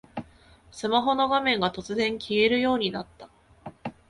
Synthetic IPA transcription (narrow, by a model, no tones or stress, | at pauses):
sɨmaɦo̞no̞ɡamẽ̞ŋɡat̪o̞t͡sɨzẽ̞ŋkʲie̞ɾɯ̟jo̞ːɲ̟inat̪ːa